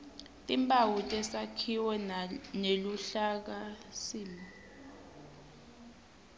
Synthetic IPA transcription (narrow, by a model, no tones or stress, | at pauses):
tʼimbʼawutʼɛsakʰiwɛneluɬak̬asiːmi